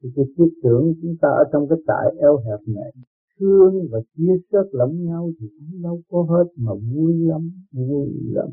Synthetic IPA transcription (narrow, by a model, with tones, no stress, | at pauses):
t̪i˨˩ki˧˦t̪i˦ək̚t̪ɨ˨˧˩əŋt͡ɕʊ˨˦ŋ͡mt̪aː˧ʔə̰ː˧˩t͡ɕɔ˧wŋ͡mkaː˨˦jt̪a̰ː˧˩jʔɛ˧wɦɛ˨˩p̚ɲɛ̰˧˨n | t̪ʰɨ˧əŋvaː˨˩t͡ɕi˧əsə˦˥t̚lə˨˦wŋ͡mɲa˧wt̪ʰi˨˩va˨˦ŋ͡mɗa˧wkɔ˨˦ɦe˦˥t̚maː˨˩mu˧əjla˧mmu˧jla̰˧m